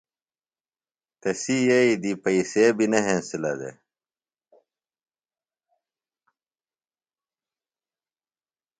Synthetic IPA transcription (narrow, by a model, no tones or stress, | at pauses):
t̪ɐsijɐid̪ipɐisebinɐɦẽnsilɐ̰d̪ḛ